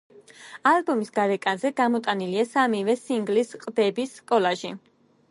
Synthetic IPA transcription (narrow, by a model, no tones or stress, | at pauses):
albɔmisɡaɾɛkʼanzɛɡamɔt̪ʼaniliasamivɛsiŋɡlisqʼd̪ɛbisːkʼɔlaʒi